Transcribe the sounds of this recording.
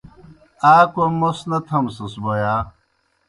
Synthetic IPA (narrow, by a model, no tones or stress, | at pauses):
aːkomosnɐt̪ʰɐmsɐsbojaː